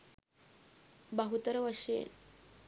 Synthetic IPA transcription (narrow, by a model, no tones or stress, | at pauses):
bəɦut̪əɾəʋəʂḛn